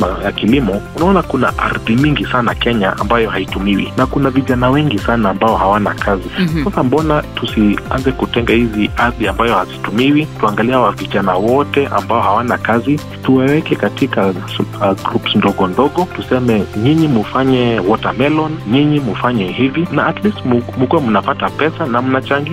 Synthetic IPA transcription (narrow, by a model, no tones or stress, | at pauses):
ajakilimɔunaɔnakuna̰ʔa̰ɾðiɲiŋɡisanakɛɲaʔa̰mbajɔhaitumiwḭnakunaviʄanawɛŋɡisanaːmbaɔhawanakʰazisasambɔnatusia̰nzɛkutɛŋɡahiziaɾðiambajɔhazitumiwituaŋɡaliawaviʄanawɔtɛʔa̰mbaɔhawanakazi | tuwɛwɛkɛkatika | ɡɾupsndɔɠɔndɔɠɔtusɛmɛɲiɲimufaɲɛwɔtamɛlɔnɲiɲimufaɲɛhivinaːtlistmmukuwamunapatapɛsanam̩nat͡ʃaŋɡi